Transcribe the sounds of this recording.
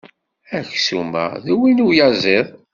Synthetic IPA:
æçsumæ̰ðwinujɑzˤeðˤ

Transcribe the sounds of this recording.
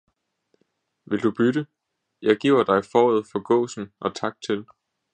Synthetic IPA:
ʋe̝ld̥ub̥yɾ̥ə | jɑ̈ɪɡ̥ḭʊ̰ɐd̥ɑ̈ɪfɒːð̞̩ˠfɒ̽ɡ̥ɔ̰̽ːsn̩ʔɒ̽t͡sʰɑ̈ɡ̥̚d̥̚t͡sʰel

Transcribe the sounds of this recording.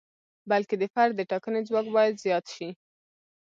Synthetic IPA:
balked̪əfaɾd̪d̪ːəʈɑkəned͡zwɑkbɑjad̪zjɑt̪ʃi

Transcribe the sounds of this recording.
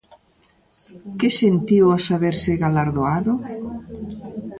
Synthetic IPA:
kɪsent̪iwasaβeɾsɪɣalaɾðoaðʊ

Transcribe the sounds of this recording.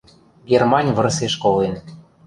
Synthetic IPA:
ɡermɑnʲvə̆rseʃkolen

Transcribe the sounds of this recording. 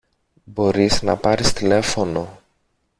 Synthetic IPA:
bo̞ɾiznɐ̰pɐɾist̪ile̞fo̞no̞

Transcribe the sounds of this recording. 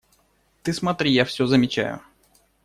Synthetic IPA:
t̪ɨsmɐt̪ɾʲijafsʲɵzəmʲɪt͡ɕæ̰jʊ̰

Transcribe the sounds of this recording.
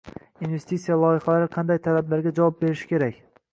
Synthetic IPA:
inve̞st̪it̪sijalˠɒjɪχɑlaɾɪqʰɑnd̪ajt̪ʰalablaɾɡʲad͡ʒavɒp̚beɾɪʃɪ̥kʲe̞ɾakʲ

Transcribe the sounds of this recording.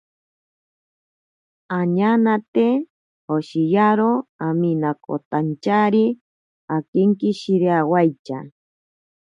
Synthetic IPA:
aɲanat̪e | hoʃijaɾoaminako̰t̪ant͡ʃaɾi | akeŋkiʃiɾeawajt͡ʃa̰

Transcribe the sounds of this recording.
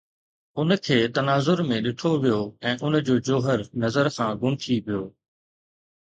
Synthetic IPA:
ʊnkʰeːt̪ɐnaːzʊɾmẽɗɪʈʰoʋijoːɛ̃ːʔʊnd͡ʑoːd͡ʑoːɦəɾnɐzəɾkʰãːɡʊmʈ̪ʰiʋijoː

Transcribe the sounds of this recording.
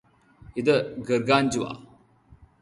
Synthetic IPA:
id̪əɡəɾɡaːnd͡ʒuwa̰

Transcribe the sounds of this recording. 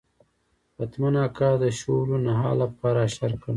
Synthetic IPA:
pat̪manɑːkad̪əʃowlonaɦɑ̰ːlapɑːɾaʃaɾkan

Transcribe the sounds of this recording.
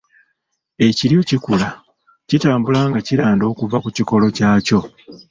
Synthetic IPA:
e̞ciɾjo̞cikula | citaːmbulaŋɡaciɾaːndo̞ːkuvakuciko̞lo̞caːco̞

